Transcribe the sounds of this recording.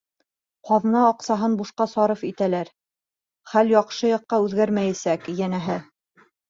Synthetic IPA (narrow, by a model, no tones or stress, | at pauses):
qɑðɤnɑːqsɑɦɤnbuʃqɑsɑɾɤfit̪ælæɾ | χæljɒqʃɤjɑqːɑʉðɡæɾmæjæsækjænæɦɘ